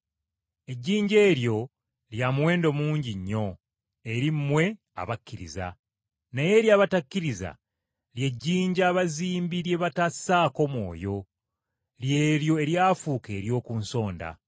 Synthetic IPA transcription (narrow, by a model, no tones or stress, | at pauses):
e̞ɟːiːɲɟe̞ːɾjo̞ | ljamwe̞ːndo̞muːɲɟiɲːo̞ | e̞ɾimːwe̞ | a̰βakːiɾḭza̰ | naje̞ɾjaːβatakːiɾiza̰ | lje̞ɟːiːɲɟaːβaziːmbilje̞βatasaːko̞mwo̞̰ːjo̞ | lje̞ːljo̞e̞ɾjaːfuːke̞ːɾjo̞ːkuːnso̞ːnda̰